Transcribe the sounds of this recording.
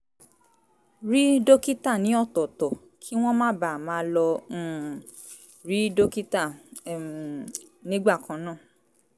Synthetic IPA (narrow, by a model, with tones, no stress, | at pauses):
ɾi˦do˦ki˦ta˦˨nĩ˨˦ɔ˦˨tɔ˨tɔ˨ | kʰi˦w̃ɔ̃˦mãː˦ba˨mãː˨˦lɔ̃˧˦˨ | ɾi˦do˦ki˦ta˦˨ | nĩ˦ɡ͡ba˦˨kã˨˦nãː˦˨